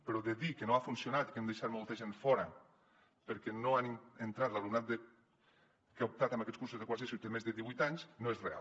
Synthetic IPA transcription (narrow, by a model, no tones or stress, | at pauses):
peɾɔðeðikenoafunsjonat̪i̥kemd̪ejʃat̪molˠt̪aʒenfɔɾa | peɾkɛnoanient̪ɾat̪lalumnat̪̚d̪e | keup̚t̪at̪ambakɛtskuɾsuzðekwas̬esut̪emezðeðiβujt̪aɲsnoezrea̰l